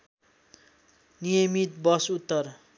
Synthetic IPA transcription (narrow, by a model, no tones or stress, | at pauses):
nijʌmit̪̚bʌsut̪ːʌr